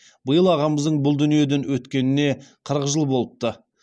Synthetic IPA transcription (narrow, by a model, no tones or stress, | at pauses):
bəjəlˠɑʁɑməzd̪əɴbʊlˠd̪ʏnije̞d̪e̞nwɵt̪kʲe̞nɪne̞qʰəɾəqʒəlˠbo̞lˠəp̚t̪ə